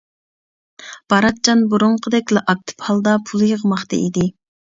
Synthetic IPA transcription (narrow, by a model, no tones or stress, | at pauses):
b̥ɑɾɑt̪̚t͡ʃɑnbuɾuɴqʰəd̪ɛkʲlɛʔɑk̚t̪ʰɨ̥phɑlˠd̪ɑpʰulˠjəʁmɑχt̪ɑ̰ʔid̪ɪ